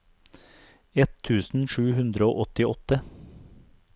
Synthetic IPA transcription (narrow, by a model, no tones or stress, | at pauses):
ɛt̪ʰʉːsn̩ʃʉːhʉnd̪ɾəo̰ːʔɔt̪ɪɔt̪ə